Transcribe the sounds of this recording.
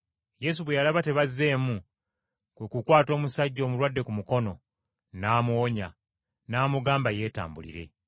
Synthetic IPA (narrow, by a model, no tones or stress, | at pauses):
je̞s̬uβwejalaβate̞βazːe̞ːmu | kwekukwaːto̞ːmusaɟːo̞ːmuɾwadːe̞kumuko̞no̞ | naːmwoɲa̰ | naːmuɡaːmbaje̞ːta̰ːmbṵlḭɾe̞̰